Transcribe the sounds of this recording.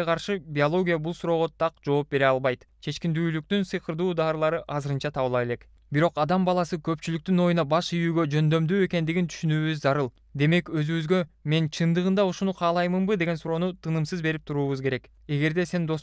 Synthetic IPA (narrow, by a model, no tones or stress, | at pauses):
eqʰɑɾʃɯbʲiolˠo̞ɡʲijabulˠsuɾo̞ːʁo̞t̪ʰɑqd͡ʒo̞ːp̚be̞ɾeɑlˠβɑjt̪ | t͡ʃʰe̞t͡ʃkind̪yːlyk̚t̪ynsɯjqʰɯɾd̪uːd̪ɑːɾɯlˠɑɾɯʔɑzɯɾɯnt͡ʃɑt̪ʰɑβɯlˠɑe̞le̞k | biɾo̞qɑd̪ɑmbɑlˠɑsɯkʰø̞pt͡ʃylyk̚t̪yno̞junɑbɑʃijyːɡø̞d͡ʒø̞nd̪ø̞md̪yːe̞ke̞nd̪iɡint̪ʰy̥ʃynyːβyzzɑɾɯlˠ | d̪e̞me̞kø̞zyβyzɡø̞me̞nt͡ʃʰɯnd̪ɯʁɯnd̪ɑuʃunuqʰɑːlˠɑjmɯmbɯd̪e̞ɡe̞nsuɾo̞ːnut̪ʰɯnɯmsɯzbe̞ɾip̚t̪ʰuɾuːβuzkʰe̞ɾe̞k | e̞ɡe̞ɾd̪e̞se̞nd̪o̞s